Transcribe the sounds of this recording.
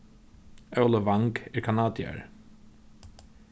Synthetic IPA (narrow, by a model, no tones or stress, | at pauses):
œwlˠəvaŋkɛɹkʰanaːd̪ja̰ɹ